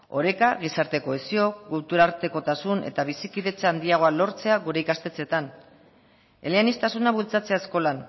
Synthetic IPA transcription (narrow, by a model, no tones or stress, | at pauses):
o̞ɾe̞kaɣ̞isaɾt̪e̞ko̞esio̞kult̪uɾaɾt̪e̞ko̞t̪asune̞̰t̪aβ̞isikiðe̞t͡seand̪iaɣ̞o̞alo̞ɾt͡se̞aɣuɾe̞ikast̪e̞t͡se̞t̪an | e̞leanist̪asunaβult͡sat͡se̞aesko̞lan